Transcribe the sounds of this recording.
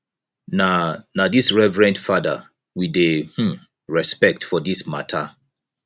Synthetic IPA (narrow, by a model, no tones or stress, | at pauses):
nanadisɹɛvɹɛ̃ntfadə | wideh̩ | ɹɛspɛk̚tfɔdisma̰tʰə